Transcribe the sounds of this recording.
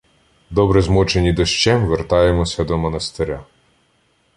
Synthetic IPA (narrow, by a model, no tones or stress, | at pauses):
d̪ɔbɾɛzmɔt͡ʃenʲid̪ɔʃt͡ʃɛmʋert̪ɑjemɔsʲɐd̪ɔmɐnɐst̪eɾʲa